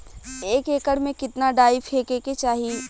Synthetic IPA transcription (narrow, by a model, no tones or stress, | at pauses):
eːkeːkəɽmẽkɪt̪naɖaːɪfɦeːkeːket͡ʃaːɦi